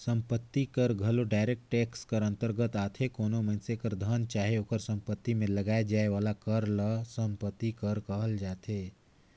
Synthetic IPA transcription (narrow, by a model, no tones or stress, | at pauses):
sə̃mpət̪ːikəɾɡʱəloɖaːɪɾek̚ʈʈɛːkskəɾə̃nt̪əɾɡət̪aːt̪ʰekoːnomə̃ɪnsekəɾd̪ʱənt͡ʃaːɦeoːkəɾsə̃mpət̪ːimẽləɡaːed͡ʒaːeʋaːlakəɾləsə̃mpət̪ːikəɾkəɦəld͡ʒaːt̪ʰeː